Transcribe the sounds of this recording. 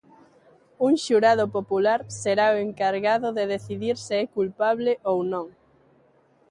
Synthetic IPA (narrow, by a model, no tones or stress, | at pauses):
uŋʃuɾaðʊpopulaɾseɾaoeŋkaɾɣaðʊðeðeθiðiɾsɪɛkulpaβlɪʔownõŋ